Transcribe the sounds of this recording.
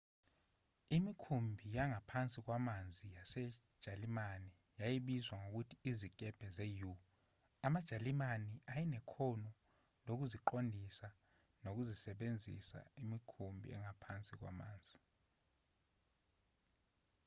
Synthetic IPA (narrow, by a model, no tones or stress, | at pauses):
imikʰumbʱijaŋʱapʰant͡sʼik̬wamand͡zʱijasɛ̥ | ʒ̥ʱalimani | jajiɓizwaŋok̬utʰiːzik̬ʼɛb̥ʱɛzɛju | amad̥ʒ̥ʱalimaniʔajinɛkʰɔnɔ | nok̬uziǃondʱisa | nok̬uzisɛɓend͡zʱḭsa̰imikʰumbʱḭɛ̰ŋapʰant͡sʼik̬wa̰ma̰ːnd͡zʱi